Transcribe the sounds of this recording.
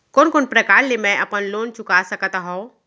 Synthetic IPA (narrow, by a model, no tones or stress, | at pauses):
koːnkoːnpɾəkaːɾlemɛ̃ʔɐpənloːnt͡ʃʊkasəkt̪aɦõ